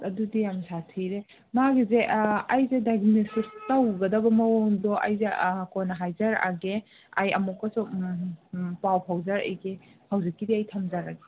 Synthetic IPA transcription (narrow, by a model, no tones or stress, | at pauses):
ɐdudijamsatʰiɾe | maɡizeɐjzedaɡnesistɐwɡɐdɐbɐmɐwɔŋdɔʔa̰jzekonaɦajzaɾa̰ɡe | a̰jɐ̰mɔkːɐsu | pawpʰawzɐɾḛjɡehawzikːidiɐjtʰɐmzaɾaɡe